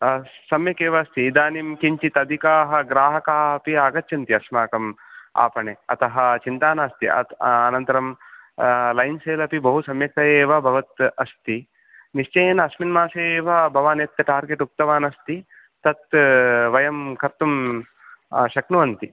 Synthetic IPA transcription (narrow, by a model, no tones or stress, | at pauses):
sɐmjɐkeːʋɐːst̪iːd̪aːnimkiɲt͡ʃit̪ɐd̪ʱikaːɦɐ̆ɡɾaːɦɐkaːɐpiaːɡɐtːt͡ʃʰɐnt̪iɐsmaːkɐm | a̰ːpɐɳeɐ̰t̪ɐɦɐt͡ʃint̪aːnaːst̪iɐ̰ɐnɐnt̪ɐɾɐm | lɐjnseːlɐpibɐɦusɐmjɐk̚t̪ɐjeːʋɐbʱɐʋɐt̪ɐst̪i | niʃt͡ʃɐjɐnɐɐsminmaːseːʋɐbʱɐʋaːnet̪ːɐʈaːɾɡeʈuk̚t̪ɐʋaːnɐst̪i | t̪ɐt̪ʋɐjɐmkʰɐɾt̪um | ʃɐknuʋɐnt̪i